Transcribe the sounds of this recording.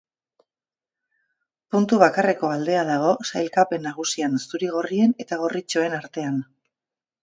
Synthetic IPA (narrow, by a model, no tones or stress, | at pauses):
punt̪uβakare̞ko̞ald̪e̞aðaɣ̞o̞sajlkape̞nːaɣ̞usiansuɾiɣ̞o̞rie̞ne̞t̪aɣ̞o̞rit͡ʃo̞e̞naɾt̪e̞an